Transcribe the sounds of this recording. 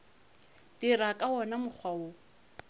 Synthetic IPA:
d̥irakʼaɔnamʊk͡xʰwao

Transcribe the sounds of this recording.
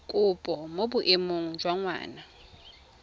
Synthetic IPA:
kʼʊpʼɔmobʊʔemoŋ̩d͡ʒwaŋwa̰ːna

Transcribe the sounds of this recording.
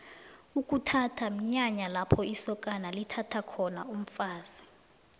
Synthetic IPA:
ukʼutʰatʰam̩ɲaɲalapʰɔisɔkʼanalitʰatʰakʰɔnaum̩faːz̥i̥

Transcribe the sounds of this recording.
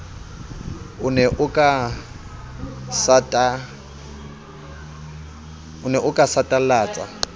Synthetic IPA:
ʊnɛʔʊkʼa | satʼa | ʊnɛʔʊkʼasatʼalaːt͡sʼa̰

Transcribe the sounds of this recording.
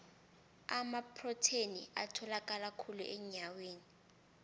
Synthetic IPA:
amapʰrɔtʰenḭa̰tʰɔlakʼalakʰulṵʔɛɲaweːni

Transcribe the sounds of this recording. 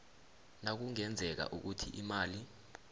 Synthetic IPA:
nak̬uŋɛnd͡zʱɛk̬a̰ʔuk̬utʰḭʔimaːli

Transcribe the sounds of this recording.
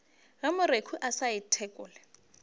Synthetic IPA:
ɣamʊɾekʰuʔasaɪtʰɛkʼʊːlɛ

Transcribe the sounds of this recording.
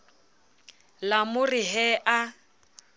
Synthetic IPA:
lamʊriɦɛʔa

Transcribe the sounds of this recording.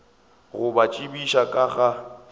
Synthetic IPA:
ɣʊbat͡ʃʼibiʃakʼaɣa

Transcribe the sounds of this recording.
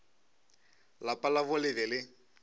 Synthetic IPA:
lapʼalaβʊlɪbɛlɪ

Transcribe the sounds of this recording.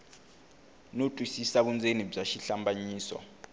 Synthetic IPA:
notʼwisisak̬und͡zʱenib͡ʐaʃiɬambʱaɲiːsɔ̰

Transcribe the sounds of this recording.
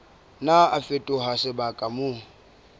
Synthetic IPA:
naafetʼʊɦasɪbakʼamʊ

